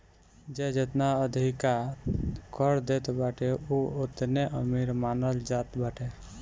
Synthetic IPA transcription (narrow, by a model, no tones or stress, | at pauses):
d͡ʒed͡ʒet̪naəd̪ʱika | kəɾd̪et̪baʈeuot̪neʔəmiɾmanəld͡ʒat̪baʈe